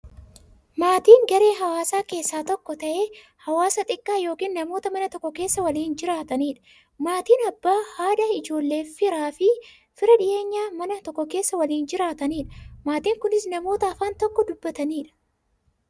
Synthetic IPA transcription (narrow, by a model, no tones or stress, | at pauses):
maːt̪iːŋɡɐɾe̞ːɦɐwaːsaːke̞ːsːaːt̪ɔkːɔt̪ɐʔeː | hɐwaːsɐt̪ʼɪkʼːaːjo̞ːkiːnːɐmo̞ːt̪ɐmɐnɐt̪ɔkːɔke̞ːsːɐwɐliːnd͡ʒɪɾaːt̪ɐniːᶑɐ̥ | maːt̪iːnɐbːaːhaːᶑɐɪd͡ʒo̞ːlːe̞ːfɪɾaːfɪ | fɪɾɐᶑɪʔe̞ːɲːaːmɐnɐt̪ɔkːɔke̞ːsːɐwɐliːnd͡ʒɪɾaːt̪ɐniːᶑɐ̥maːt̪iːŋkʊnɪsnɐmo̞ːt̪ɐɐfaːnt̪ɔkːɔd̪ʊbːɐt̪ɐniːᶑɐ̥